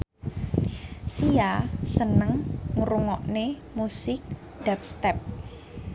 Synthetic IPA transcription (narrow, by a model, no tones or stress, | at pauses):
sijasənəŋŋuɾuŋɔʔnemusɪk̚ | d̥ap̚st̪ɛp̚